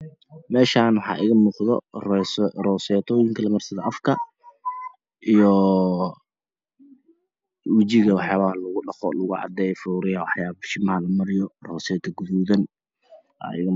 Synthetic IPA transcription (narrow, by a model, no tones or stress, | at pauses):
mɛːʃaːnwɑħɑ̰ːʔɪɣɐmuːqðɔ̰ | rɔsɛːt̪ʰɔːjɪŋkʰɐlɐmɐrsɐðɐʔɐfkʰɐ | ʔijɔ | wɪt͡ʃɪɣɐwɑħjaːβɐlɐɣʊɖɑχɔ̰lɐɣʊʕɑ̰d̪ɛːjɔfuːɾɪjɐwɑħjaːβʃɪmɐhðɐmɐɾɪjɔrɔːsɛːt̪ʰɐɡʊðuːðɐn | ʔa̰ːɪ̰ɣɐ